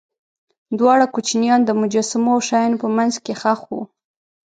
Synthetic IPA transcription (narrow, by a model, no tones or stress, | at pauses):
d̪wɑɽakut͡ʃnjɑnd̪əmʊd͡ʒɑsɪmoawʃɑjɑnopəmanzkexaxwṵ